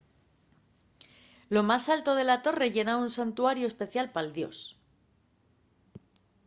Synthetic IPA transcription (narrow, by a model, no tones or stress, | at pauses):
lo̞masalt̪o̞ð̞e̞lat̪o̞re̞ʝe̞naunsant̪uaɾjoespe̞θjalpald̪jo̞̰s